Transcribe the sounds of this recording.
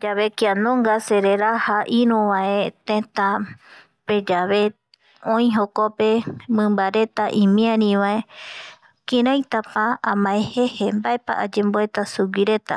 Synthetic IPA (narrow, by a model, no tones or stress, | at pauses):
d͡ʒaβe̞kianõŋɡase̞ɾeɾahaʔĩɾũʋãet̪ẽt̪a | pe̞d͡ʒaβe̞ | õĩɦokope̞mɨ̃mbaɾe̞t̪aʔĩmĩãɾĩʋae | kiɾ̃ãjt̪apaamãehe̞hembaepa̰ʔa̰d͡ʒẽ̞mboe̞t̪asuwiɾe̞t̪a̰